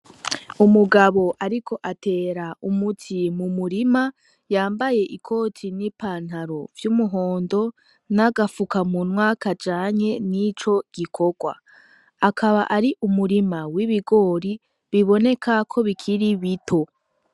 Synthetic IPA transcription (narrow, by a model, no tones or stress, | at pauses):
umuɡaβo̞ʔaɾikʰo̞ʔate̞ːɾaumutʰimumuɾima | jaːmbaje̞ʔikʰo̞ːtʰinipaːn̥haɾovjumuɦo̞ːndo̞ | naɡafukamunwakad͡ʒaːɲe̞nit͡ʃo̞ɡ̥ikʰo̞ɡwa̰ | akʰaβaʔaɾiʔumuɾimawiβiɡo̞ːɾi | βiβo̞ne̞kʰakʰo̞βikʰiɾiβitʰo̞